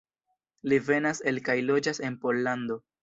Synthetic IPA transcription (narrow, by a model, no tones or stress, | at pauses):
live̞nase̞lkajlo̞d͡ʒase̞npo̞lːand̪o̞